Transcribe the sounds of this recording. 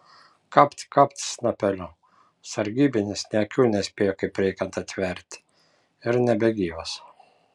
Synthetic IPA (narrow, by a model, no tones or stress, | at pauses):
kɑpt̪ʲkɑpʲt̪ʲsnɐpʲɛlʲɔ | sɐɾʲɡʲiːbʲɪnʲɪsnʲɛɐkʲuːnʲɛsʲpʲeːjokɐɪpɾʲɛɪkʲɛnt̪ɐt̪ʲʋʲɛɾʲt̪ʲ | ɪɾnʲɛbʲɛɡʲiːos